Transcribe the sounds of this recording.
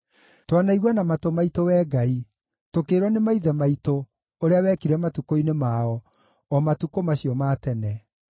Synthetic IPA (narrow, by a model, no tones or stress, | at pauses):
twanaiɣwanamatomaitowɛɡai | tokeːɾwɔnemaiðɛmaito | oɾeawɛkiɾɛmatukoinemaɔ | ɔmatukomaɕiɔmatɛnɛ